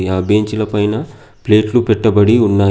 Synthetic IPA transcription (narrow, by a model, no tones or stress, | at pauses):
iaːbe̞ːɲt͡ʃilɐpɐjnɐ | ple̞ːʈlupɛʈːɐbɐɽiunːaː